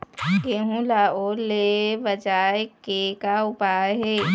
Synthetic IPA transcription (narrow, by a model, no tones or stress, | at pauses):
keɦũlaolebəd͡ʒaːekekaʊpaɦe